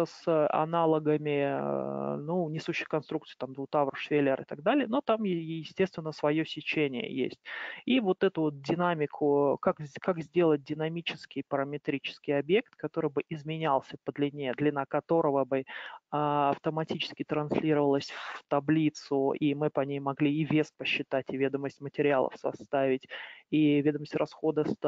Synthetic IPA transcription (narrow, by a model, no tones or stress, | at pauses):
əsɐ̰nalˠəɡəmʲɪ | nunʲɪsuɕːɪ̥jkɐnst̪ɾukt̪sɨjt̪amd̪vut̪avrʂfʲelʲɪɾʔɨ̰t̪aɡd̪alʲɪjənot̪amjɪsʲtʲest̪vʲɪnːəsvɐjo̞sʲɪt͡ɕenʲɪ̰jə̰jḛsʲtʲivo̞t̪ɛt̪ʊvot̪̚dʲɪnamʲɪkʰʊkakzkakzʲdʲe̞lˠət̚ʲdʲɪnɐmʲit͡ɕɪskʲɪjpəɾəmʲɪt̪ɾʲit͡ɕɪ̥skʲɪjɐbje̞k̚t̪kɐt̪o̞ɾɨjbɨʔɪzmʲɪnʲalˠsʲəpəd̪lʲɪnʲed̪lʲɪnakɐt̪o̞ɾəvəbɨaɐft̪əmɐtʲit͡ɕɪ̥skʲɪt̪ɾɐnsʲlʲiɾəvəlˠəsʲft̪ɐblʲit̪sʊimɨpɐnʲejmɐɡlʲiɪvʲe̞spəɕːɪt̪atʲɪvʲed̪əməsʲtʲmətʲɪɾʲɪalˠə̰fsɐ̰st̪avʲɪtʲivʲe̞d̪əməsʲtʲrʔɐsxo̞d̪əs